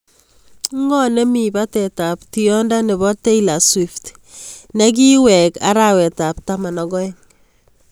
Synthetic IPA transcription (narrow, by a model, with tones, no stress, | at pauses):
ŋɔ˦nɛ˦mi˨ba˦tɛ˨ta˨pti˨jɔ˦nda˦nɛ˨βɔ˦te˦ila˨swift | nɛ˦k̬i˦wɛ˨ka̰˦ɾawɛ˨ta˨p̚tama˨nɔ˨ɡɔ˦ɛ˦ŋ